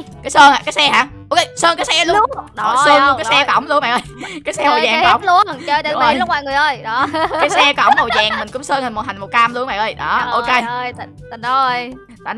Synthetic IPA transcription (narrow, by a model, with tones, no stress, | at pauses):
kaː˨˦jsəː˧naː˨kaː˨˦jsɛ˧haː˨˧˩ʔo˧wke˧səː˧nkaː˨˦jsɛ˧lʊ˦˥ɔ˨˩ssəː˧n˧kaː˨˦sɛ˧kɔ̰˧˩wŋ͡mlu˧əmɓaː˨˩ʔəː˧˩jkaː˨˦jsɛ˧mo˨˩jzaː˨˩ŋkɔ˦˧˦wlu˧˩ə˨˩t͡ɕə˧t̪ːa˧˨˦lʊ˦˥maː˧˨jŋɨ˨˩əjʔəː˧˩jɗɔ˨˦˧aː˨˦jsɛ˧kɔ̰˧˩wŋ͡mmo˨˩zaː˨˩ŋmï˨˩ŋ̟kʊ̰˧˥ŋ͡msəː˧nha˨˩ŋmo˨˩t̚ha˨˩ŋ̟mo˨˩t̚ka˧mlu˧əmɓa̰˨˩ŋʔəː˧˩jɗɔ˨˦ʔo˧ke˧j | j | t̪a̰ː˨